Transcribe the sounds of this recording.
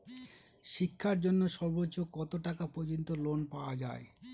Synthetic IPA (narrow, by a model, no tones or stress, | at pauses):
ʃikʰːaɾd͡ʑonːoʃɔɾbotːokɔt̪oʈakapod͡ʑont̪olonpaoad͡ʑae